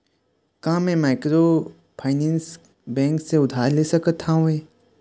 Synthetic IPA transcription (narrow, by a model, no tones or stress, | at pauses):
kãːmɛ̃maːɪkɾo | pʰaːɪnɛ̃ːns | bɛ̃ːŋkseʊd̪ʱaːɾleːsəkət̪hãũeː